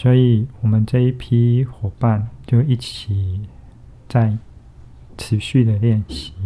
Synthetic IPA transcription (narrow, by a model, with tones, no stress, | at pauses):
swɔ˧˥i˨˩wɔ˨˩mə˦nʈ͡ʂɤ˥˧i˥˩pʰi˥xwɔ˨˩pa˥˨nt͡ɕjo˥˧ʊi˥˩t͡ɕʰi˨˩ | t͡sa˥˩ɪ | ʈ͡ʂʰɻ̩˨˧˥ɕy˥˩d̪ə˩ljɛ˥˩nɕi˨˧˦